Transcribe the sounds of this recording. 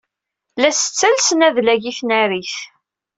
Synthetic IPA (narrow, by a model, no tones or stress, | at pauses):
læsə̥t͡sːælsnæðlæʝiθnæɾiθ